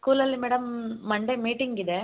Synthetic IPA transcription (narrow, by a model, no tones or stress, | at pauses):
skuːlɐlimeːɽɐmːɐɳɖemiːʈɪŋɡɪd̪e